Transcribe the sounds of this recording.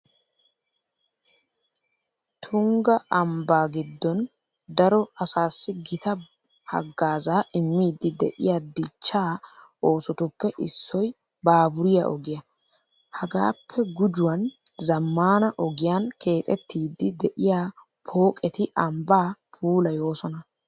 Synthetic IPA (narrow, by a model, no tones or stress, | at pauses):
t̪ʰʊŋɡɐʔɐmbaːɡɪd̪ːɔn | d̪ɐɾɔɐsaːsːɪɡɪt̪ɐ | hɐ̰ɡːaːzaːʔɪmːiːd̪ːɪd̪ɛ̰ʔɪ̰jaːd̪ɪt͡ʃːaː | o̞ːsʊt̪ʊpːɛʔɪsːɔj | baːbʊɾɪjɐ̰ʔɔ̰ɡɪjɐ | hɐɡaːpʰːɛɡʊd͡ʒʊwɐnzɐmːaːnɐʔɔɡɪjankʰe̞ːt̪ʼɛt̪ʰːiːd̪ːɪd̪ɛʔɪjaː | pʰo̞ːkʼɛt̪ɪʔɐmbaːpʰuːlɐjo̞ːsɔnɐ